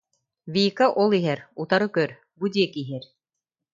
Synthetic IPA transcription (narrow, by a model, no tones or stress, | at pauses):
vʲiːkaʔɔlˠiɦɛɾut̪aɾɯkœɾ | bud̪iɛkiɦɛɾ